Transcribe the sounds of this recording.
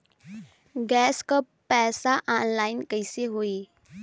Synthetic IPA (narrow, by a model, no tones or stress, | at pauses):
ɡɛːskəpːɛːsaʔaːnlaːɪnkəɪseɦoːiː